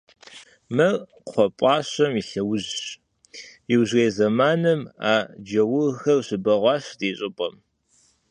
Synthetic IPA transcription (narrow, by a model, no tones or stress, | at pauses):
mɐr | qʷɔpʼɑːɕɐmiɬɐwʊʑɕ | jiwʑreːzɐmaːnɐmaːd͡ʒɐwʊɣxɐrɕɪbɐʁʷɑːɕdeːɕʼɪpʼɐm